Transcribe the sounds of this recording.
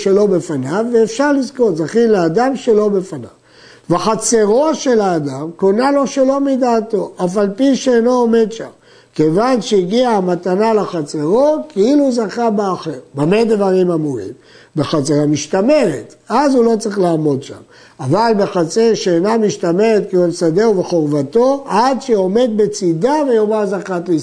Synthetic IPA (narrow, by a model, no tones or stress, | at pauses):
ʃelo̞be̞fanavːeːfʃaʁlizko̞tzaχinlead̪amʃe̞lo̞be̞fana̰v | vaχat͡se̞ʁo̞ʃe̞laːd̪amkonalo̞ʃe̞lo̞mid̪aːt̪o̞ʔafalpiʃeeno̞ːme̞d̪ʃa̰m | kevanʃeiɡiamat̪analeχat͡se̞ʁo̞keiluzakabeaχeʁbamed̪vaʁimamuʁḭm | beχat͡seʁamiʃt̪ame̞ʁet̪azulo̞t͡saʁiχlaːmo̞d̪ʃa̰m | avalbeχat͡seʁʃeːnamiʃt̪ame̞ʁet̪̚keelsad̪euveχo̞ʁvat̪o̞ad̪ʃeo̞me̞d̪̚be̞t͡sid̪avejomazaχat̪li